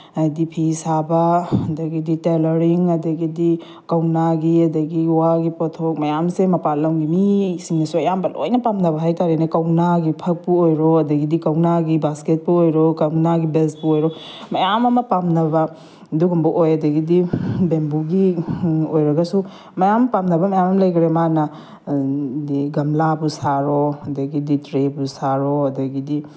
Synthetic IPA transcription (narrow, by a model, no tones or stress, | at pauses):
adipʰisabaɐdɐɡiditelɐɾiŋɐdɐɡidi | kawnaɡiɐdɐɡiwaɡipotʰok̚mɐjamsemɐpalːɐmɡimisiŋnɐsuɐjambɐlo̰jnɐpamnɐβɐɦajtaɾinɐkawnaɡipʰɐk̚puojɾoɐdɐɡidikɐwnaɡibasket̚puojɾokawnaɡibels̚puojɾɔ | mɐjamɐmɐpamnɐbɐ | duɡumbuʔojɐdɐɡidibembuɡiojɾɐɡɐsu | mɐjampamnɐbɐmɐjamɐmlɐjɡɾemanɐ | diɡɐmlabusaɾɔɐdɐɡiditɾebusaɾɔɐdɐɡidi